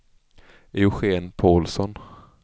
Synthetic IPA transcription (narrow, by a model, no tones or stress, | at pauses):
ɪʊɧeːnpʰoːlsɔn